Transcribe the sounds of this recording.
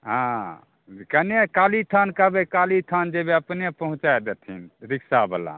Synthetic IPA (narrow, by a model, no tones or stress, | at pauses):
ɦã | kənekalit̪ʰənkəbekalit̪ʰand͡ʒebeəpnepəɦũt͡ʃaed̪et̪ʰḭnɾiksabəla̰